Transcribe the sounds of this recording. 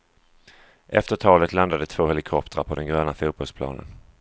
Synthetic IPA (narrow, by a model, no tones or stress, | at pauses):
ʔɛft̪əʈʰɑːlət̪land̪ad̪ət̪ʰv̥oːhɛlɪkʰɔpt̪ɾapʰɔd̪ɛnɡɾøːnafuːt̪̚bɔlspʰlɑ̰ːnə̰n